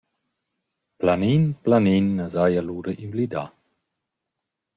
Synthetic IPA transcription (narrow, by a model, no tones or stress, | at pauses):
planinplaninːazajaluːɾəʔinvlid̪a̰